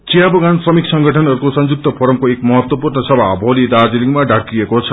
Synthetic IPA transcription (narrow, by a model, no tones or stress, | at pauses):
t͡sijabʌɡansrʌmiksʌŋɡʱʌʈʰʌnʌɾukosʌnd͡zuk̚t̪ʌpʰʌɾʌmkoekmʌɦʌt̪wʌpurnʌsʌbʱabʱʌlid̪ard͡ziliŋɡmaɖʱaɽkiekot͡sʰʌ